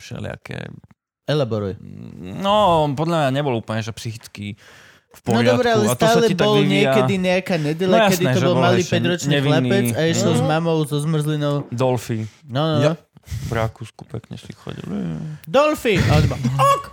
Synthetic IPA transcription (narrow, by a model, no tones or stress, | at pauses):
fʃɛ̰lɪa̰kɛ̰ | ɛlabɔɾujɛnɔpɔd̪lʎamɲaɲɛbɔlɔupl̩ɲɛʒɛpsixit͡ski | fpnɔɔɾɪd̪ɔb̪ɛalɛst̪ɔaːsːalɛib̪ɔliɲɪɛkkɛiɲɛakaːɲɛɟɛʎajasɛd̪inɛɔʒɔlmaliːɛɟɾɔt͡ʃɲniɛilɛiɛt͡saiʃɛlzmamɔʊzɔzmr̩zlinɔʊd̪ɔlfinɔnɔnɔ | vɾakusku̥pɛkɲɛ̰ʃixxɔ̰ɟḭld̪ɔlfiad̪baɔk